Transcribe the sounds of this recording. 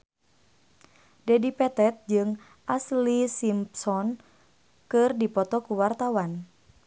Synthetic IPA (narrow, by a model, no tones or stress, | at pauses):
dɛdipɛt̪ɛt̪̚d͡ʒɨŋ | ʔaslisimpsɔn | kɨrdipɔt̪ɔkuwart̪awan